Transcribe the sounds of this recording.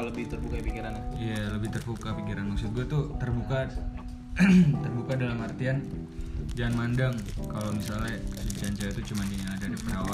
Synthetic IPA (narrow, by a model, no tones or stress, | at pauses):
ləbɪht̪ərbukaipikiɾanaialəbɪht̪ərfukapikiɾanmaksʊt̪̚ɡuat̪ut̪ərbuka | t̪ərbukadalamart̪ian | d͡ʒaŋanmandaŋkalomisalasut͡ʃaɲt͡ʃait̪ut͡ʃumaniaadadipəɾawa